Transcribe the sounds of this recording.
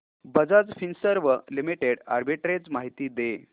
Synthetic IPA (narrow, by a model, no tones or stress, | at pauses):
bəd͡zad͡zfinsəɾʋəlimiʈeɽa̰ɾbiʈɾed͡zmaɦit̪iːd̪e